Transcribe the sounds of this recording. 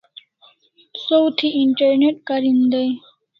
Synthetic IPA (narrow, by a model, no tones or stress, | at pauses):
sowt̪ʰiiɳʈɐɾneʈ̚kɐɾind̪ɐj